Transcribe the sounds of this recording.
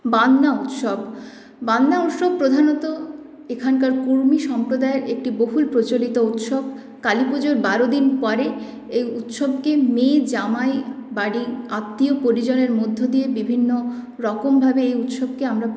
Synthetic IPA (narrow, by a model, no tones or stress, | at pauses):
banːaut̪ʃob | banːaut̪ʃob̚pːɾod̪ʱanot̪o | ekʰankaɾkuɾmiʃɔmpɾod̪aeɾek̚ʈiboɦulpɾot͡ɕolit̪out̪ʃob | kalipod͡ʑoɾbaɾod̪inpɔɾe | ejut̪ʃobkemed͡ʑamaebaɽiat̪ːiopoɾid͡ʑoneɾmod̪ʱːod̪iebibʱinːo | ɾɔkombʱabeejut̪ʃob̚keamɾa